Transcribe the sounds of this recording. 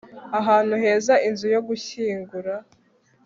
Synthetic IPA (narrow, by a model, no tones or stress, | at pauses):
aɦaːnuɦe̞ːzaʔinzujo̞ɡuçiːŋɡuɾa